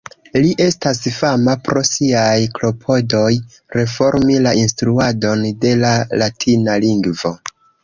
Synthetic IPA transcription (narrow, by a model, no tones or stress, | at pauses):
liʔe̞stasfamapɾo̞siajklo̞pʰo̞do̞j | ɾe̞fo̞ɾmilaʔinstɾuado̞nde̞lalatʰinaliŋɡvo̞